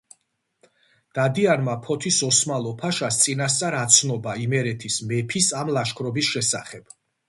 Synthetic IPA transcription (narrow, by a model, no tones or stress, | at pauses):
d̪̥ad̪ianmapʰɔt̪ʰisɔsmalˠɔpʰaʃast̪sʼinas̬t̪sʼaɾat̪sʰnɔbaimɛɾɛt̪ʰismɛpʰisamlaʃkʰɾɔbisʃɛsa̰χɛb̥